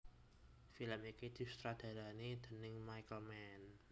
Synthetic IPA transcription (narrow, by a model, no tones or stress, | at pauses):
filəmikid̪̥i̤st̪ɾad̪̥a̤ɾanid̪̥ə̤nɪŋmajkəlmɛn